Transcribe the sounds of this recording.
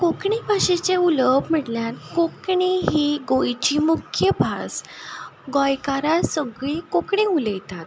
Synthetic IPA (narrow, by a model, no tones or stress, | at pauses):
kokɳibʱaɕet͡seuləbʱm̤əʈljankokɳiɦiɡojt͡ɕiːmukʰjəbʱas | ɡɔjkaɾasəɡɭikokɳeuləjt̪at̪